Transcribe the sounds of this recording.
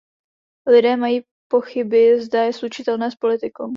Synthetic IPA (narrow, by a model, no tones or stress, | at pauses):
lɪdɛːmajiː | po̞xɪbɪzdajɛslut͡ʃɪt̪ɛlnɛːspo̞lɪt̪ɪkow